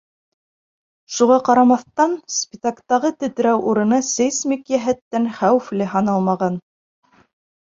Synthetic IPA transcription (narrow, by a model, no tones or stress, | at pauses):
ʃuʁɑqɑɾɑmɑθt̪ɑnspʲɪt̪akt̪ɑʁɤt̪ɘ̆t̪ɘ̆ɾæwʔuɾɤ̆nɑsɘjsmikjæɦæt̪ːænχæwɘflɘɦɑnɑlˠmɑʁɑn